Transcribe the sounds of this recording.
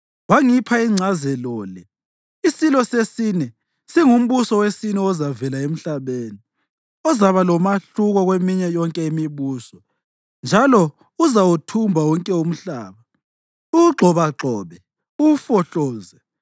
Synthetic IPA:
waŋipʰaiŋ͡ǀʱazɛlɔːlɛ | isilɔsesinɛ | siŋum̩βusɔwesinɛɔzavɛlaem̩ɬaβeːni | ɔzaβalɔmaɬuɣɔɣwemiɲɛjɔŋkʼɛimiβuːsɔ | nd͡ʒʱalɔ | uzawutʰumbʱawɔŋkʼɛum̩ɬaːβa | uɡ͡ǃʱɔβaǁʱɔːβɛ | ufɔɬɔːzɛ

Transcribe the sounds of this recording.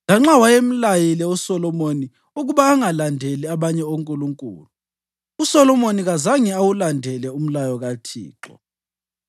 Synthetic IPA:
ŋaŋ͡ǁawajem̩lajilɛusɔlɔmoni | uɣuβaːŋalandʱeliaβaɲɛoŋkʼuluŋkʼṵːlu | usɔlɔmoniɣazaŋɛawulandʱɛlɛum̩lajɔɣatʰḭːǁɔ̰

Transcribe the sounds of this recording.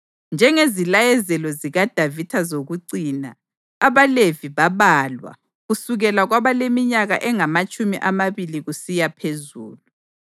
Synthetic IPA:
nd͡ʒʱɛŋezilajɛzɛlɔziɣad̥ʱavitʰazoɣuǀiːnaː | βaleviβaβalwa̰ | ɣusuɣɛlaɣwaβalemiɲaɣaʔɛŋamat͡ʃʼumiʔamaβiliɣusijapʰezṵːlu

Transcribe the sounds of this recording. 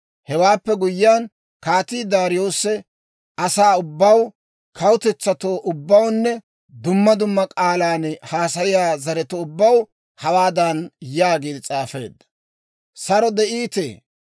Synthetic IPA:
hɛwaːpːɛɡʊjːɪjaːn | kaːt̪iːd̪aːɾɪjo̞ːsːɛ | ɐsaːʊbːɐw | kʰɐwʊt̪ɛt͡sːɐt̪o̞ːʔʊbːɐwnːɛ | d̪ʊmːɐd̪ʊmːɐkʼaːlaːnhaːsɐjɪjaːzɐɾɛt̪ɔʊbːɐw | hɐwaːd̪ɐnjaːɡiːd̪ɪt͡sʼaːfe̞̰ːd̪ːɐ̥ | sɐɾɔd̪ɛʔiːt̪ḛː

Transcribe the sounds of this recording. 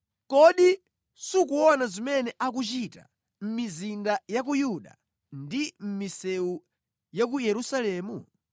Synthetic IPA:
kɔɗi | suk̬uɔnazimɛnɛʔak̬ut͡ʃita̰ | m̩mizindajak̬ujuɗa̰ | ndim̩misɛu | jak̬ujɛɾusalɛːmu

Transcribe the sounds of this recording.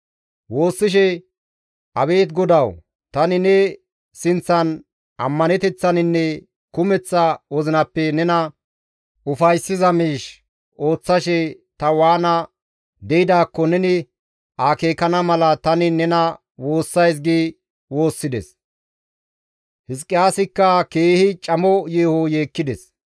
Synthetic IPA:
wo̞ːsːɪʃ̬ɛ | ʔɐβe̞ːt̪ɡɔd̪ɐw | t̪ɐnɪnɛ | sɪnt͡sːɐn | ʔɐmːɐnɛt̪ɛt͡sːɐnɪnːɛ | kʊmɛt͡sːɐwɔzɪnɐpːɛnɛnɐ | ʔʊfɐjsːɪzɐmiːʃ | o̞ːt͡sːɐʃɛ | t̪ɐwaːnɐ | d̪ɛjɪd̪aːkːɔnɛnɪ | ʔaːke̞ːkɐnɐmɐlɐt̪ɐnɪnɛnɐ | wo̞ːsːɐjs̬ɡiː | wo̞ːsːɪd̪ɛ̰s | hɪs̬kʼːɪaːsɪkːɐkeːhɪt͡ʃʼɐmɔjeːhoje̞ːkːɪd̪ɛs

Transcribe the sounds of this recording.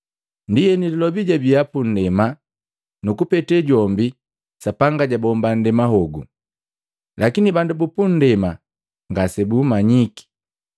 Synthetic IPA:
ndijɛnililɔbiɟabiapun̩dɛma | nukupɛtɛɟɔmbi | sapaŋɡaɟabɔmban̩dɛmaɦɔɡṵ | lakinibandubupun̩dɛma | ŋɡasɛbumaɲiki̥

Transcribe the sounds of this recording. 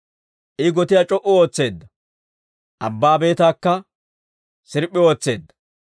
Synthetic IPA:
ʔɪɡɔt̪ɪjat͡ʃʼɔʔʊo̞ːt͡sːe̞ːd̪ːɐ | ʔɐbːaːbe̞ːt̪aːkːɐ | sɪɾpʼːɪo̞ːt͡sːe̞ːd̪ːɐ̥

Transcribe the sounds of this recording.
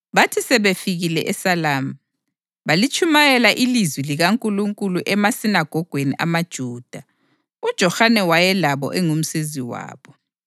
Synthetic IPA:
βatʰisɛβefiɣilɛʔɛsalaːma | βalit͡ʃʰʼumajɛlaʔilizwiliɣaŋkʼuluŋkʼuluʔɛmasinaɡ̥ʱɔɡ̥ʱweniʔamad̥ʒ̥ʱuːd̥ʱa | ud̥ʒ̥ʱɔxanɛwajɛlaβɔ̰ʔɛŋum̩siziwa̰ːβɔ

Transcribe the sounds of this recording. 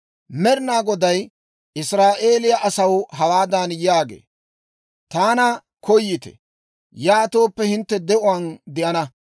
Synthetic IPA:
mɛɾnaːɡɔd̪ɐj | ɪsɾaːʔe̞ːlɪjɐʔɐsɐwɦɐwaːd̪anjaːɡḛː | t̪aːnɐ | kɔjːɪt̪ɛ̰ | jaːt̪o̞ːpːɛhɪnt̪ːɛd̪ɛʔʊwand̪ɪʔɐnɐ

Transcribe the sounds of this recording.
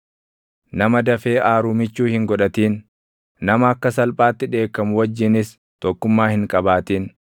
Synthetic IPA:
nɐmɐd̪ɐfe̞ːʔaːɾuːmɪt͡ʃːuːhɪŋɡɔᶑɐt̪iːn | nɐmɐːkːɐsɐlpʼaːt̪ːɪᶑe̞ːkːɐmʊwɐd͡ʒːɪnɪs | t̪ɔkːʊmːaːhɪŋkʼɐbaːt̪iːn

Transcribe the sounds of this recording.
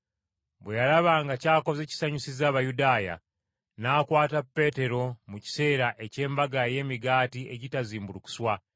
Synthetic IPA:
bwe̞jalaβaŋɡacaːko̞ze̞ːci̥saɲusizaːβajudaːja̰ | naːkwaːtapːe̞ːte̞ɾo̞muci̥se̞ːɾaʔe̞ce̞ːmbaɡaje̞ːmiɡaːtieɟitaziːmbuluku̥swa

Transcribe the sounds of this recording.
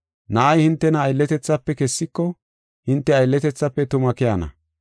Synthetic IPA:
nɐʔːjhɪnt̪ːɛnɐːjlːɛt̪ɛt͡sːɐpːɛkɛsːɪkːɔ | hɪnt̪ːɛɐjlːɛt̪ɛt͡sːɐpːɛt̪ʊmɐkɛjɐnɐ̰

